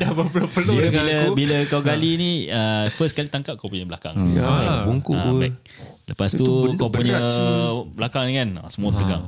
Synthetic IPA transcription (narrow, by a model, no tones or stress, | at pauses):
dahbəpəlupəluiəiləbiləkawɡalinĩəfəskalit̪aŋkap̚kawpuɲəbəlaka̰ŋabuŋkuabaʔ̚ | ləpasukawpuɲə | bəlakaŋnikana̰səmuət̪əɡa̰ŋ